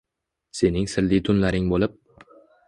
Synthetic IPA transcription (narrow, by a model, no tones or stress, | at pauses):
se̞nɪŋsɪɾlɪt̪ʰʊnlaɾɪŋbolɪp̚